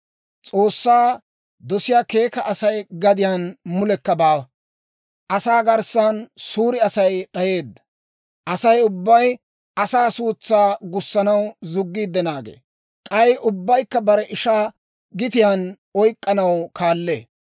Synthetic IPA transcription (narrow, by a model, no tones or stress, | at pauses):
t͡sʼo̞ːsːaː | d̪ɔsɪjaːke̞ːkɐʔːsɐjɡɐd̪ɪjanmʊlɛkːɐbaː | ʔɐsaːɡɐɾsɐnsuːɾɪɐsɐjɗɐje̞ːd̪ːɐ̥ | ʔɐsɐjʊbːɐj | ʔɐsaːsuːt͡sːaːɡʊsːɐnɐwzʊɡːiːd̪ːɛnaːɡḛː | kʼɐjʔʊbːɐjkːɐbɐɾɛʔɪʃaː | ɡɪt̪ɪjan | ɔjkʼːɐnɐwkaːlːḛː